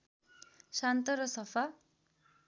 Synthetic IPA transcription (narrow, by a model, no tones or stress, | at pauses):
sant̪ʌɾʌsʌpʰa